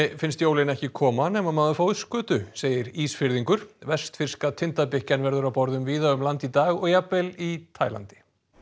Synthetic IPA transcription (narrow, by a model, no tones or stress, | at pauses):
fɪnst̪joːwlɪnɛhcɪkʰɔːmanɛːmamaːðʏfoːwðɪskʏːt̪ʏseːjɪɾiːsfɪɾðiŋkʏɾ̥vɛst̪fɪr̥skat̪ʰɪnt̪apɪhcanvɛɾðʏɾawpɔɾðʏmviːðaʏmlant̪it̪aːɣɔɣjapɛlit̪ʰaːjla̰nt̪ɪ̥